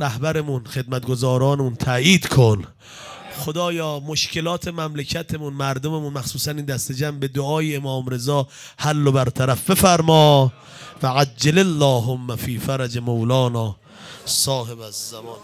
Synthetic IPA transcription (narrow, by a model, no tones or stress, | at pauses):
ɾæhbæɾemunxe̞d̪̚mæt̪̚ɡo̞zɒːɾɒːnemunt̪ʰæjiːd̪kʰon | xod̪ɒːjɒːmoʃkʰe̞lɒːt̪ʰemæmlecʰæt̪ʰe̞munmæɾd̪omemunmæxsuːsæniːnd̪æst̪ed͡ʒæmbe̞d̪oɒːjiemɒːmɾe̞zɒː | hælːobæɾt̪ʰæɾæfbe̞fæɾmɒː | væʕad͡ʒd͡ʒːelalːɒːɦomːæfiːfæɾæd͡ʒemowlɒːnɒː | sɒːhebæzːæmɒːn